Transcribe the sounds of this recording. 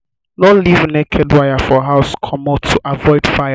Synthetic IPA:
nɔlivnɛkʰɛdwajafɔɦaʊskʰɔmɔtʰuʔavɔɪd̥faj

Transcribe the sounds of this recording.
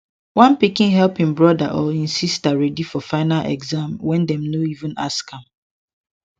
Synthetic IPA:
wãnpikɪ̃nɦɛlpĩnbɹɔdaʔɔĩnsistaɹɛdifɔfaɪnalʔɛ̰ɡzãmwɛ̃ndɛ̃mnoivũna̰skãm

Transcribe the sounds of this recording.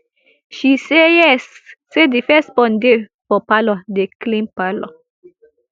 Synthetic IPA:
ʃis | sed̪ifespɔnd̪epopalod̪eklimpalo

